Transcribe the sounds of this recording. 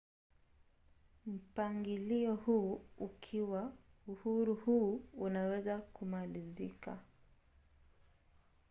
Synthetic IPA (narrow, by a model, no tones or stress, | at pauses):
m̩paŋɡiliɔhuukʰiwauhuɾuhuːunawɛzakumalizika̰